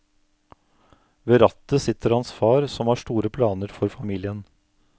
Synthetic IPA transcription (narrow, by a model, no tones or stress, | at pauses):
ʋeːɾɑt̪əsɪt̪ːəɾhɑnsfɑːɾsɔmhɑːʂʈuːɾəpʰlɑːnəɾfɔɾfɑmiːlɪən